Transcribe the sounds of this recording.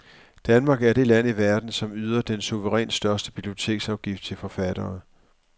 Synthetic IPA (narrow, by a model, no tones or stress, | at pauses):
d̥ænmɑ̈ɡ̥æɐɾ̥e̝læn̰iʋæɐd̥n̩sɒ̽myð̞ˠɐd̥ensuʋəʁɛ̰ːnsd̥ɶɐsd̥əb̥ib̥lio̝t͡sʰe̝̰ːɡ̥sɑ̈ʊɡ̥ifd̥̚t͡sʰe̝lfɒ̽fæd̥ɐː